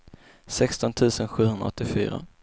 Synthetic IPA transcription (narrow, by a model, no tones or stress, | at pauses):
sɛkst̪ɔnt̪ʰʉ̟ːsənɧʉ̟ːhɵnd̪ɾa̰ɔt̪ːɪfy̰ːɾa̰